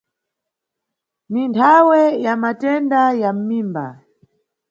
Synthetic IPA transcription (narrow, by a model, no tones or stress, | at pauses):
nintʰawɛjamatɛndajam̩miːmba̰